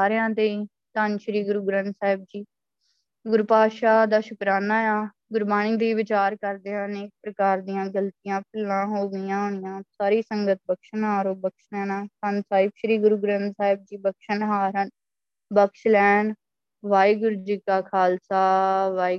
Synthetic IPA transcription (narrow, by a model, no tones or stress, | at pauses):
aːɾjãːt̪ei | t̪ənʃəɾiːɡʊɾuːɡɾə̃nsaːɦɪb̚d͡ʒiː | ɡʊɾupaːʃaːd̪aːʃʊkɾaːnaːjaː | ɡʊɾbaːniːd̪iːʋɪt͡ʃaːɾkəɾd̪eːaneːk̚pɾəkaːɾd̪ɪjãːɡəlt̪ijãːp̚ʰɪlːãːɦoːɡəjãːɦoːɳɪjãːsaːɾiːsəŋɡət̪̚bəkʃənɦaːɾoːbəkʃlɛːnãːt̪ənsaːɪbʃəɾiːɡʊɾuːɡɾənd̪saːɪb̚d͡ʒiːbəkʃənɦaːɾɦən | bəkʃlɛːɳ | ʋaːiːɡʊɾud͡ʒiːkaːkʰaːlsaːʋaːi